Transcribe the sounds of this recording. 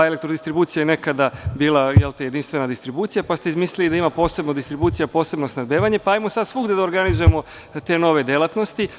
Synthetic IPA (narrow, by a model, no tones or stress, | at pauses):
ele̞k̚t̪ɾod̪ist̪ɾibuːt̪sijajene̞kad̪abiːlˠajelt̪eje̞d̪inst̪ʋe̞nad̪ist̪ɾibuːt̪sijapast̪eizmislilid̪aimapo̞ːse̞bnod̪ist̪ɾibuːt̪sijapo̞ːse̞bno̞snad̪beːʋaɲe̞paaːjmosad̪sʋuɡd̪ed̪aoɾɡanizujemo̞ | t̪e̞no̞ʋe̞d̪jelˠat̪no̞st̪i